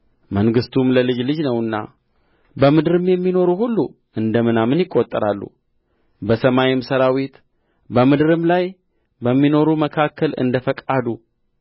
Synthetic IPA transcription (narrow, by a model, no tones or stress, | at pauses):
məŋɡɨst̪ʰumləlɨd͡ʒlɨd͡ʒnəwɨnːa̰ | bəmɨd̪ɨɾɨmjɛmːino̞ɾuhulːu | ʔɨnd̪əmɨnamɨnjɪkʼːot̪ʼːəɾalːṵ | bəsəmajɪmsəɾawit̪ | bəmɨd̪ɨɾɨmlaj | bəmːino̞ɾuməkʰakʰːəlɨ̰nd̪əfəkʼad̪u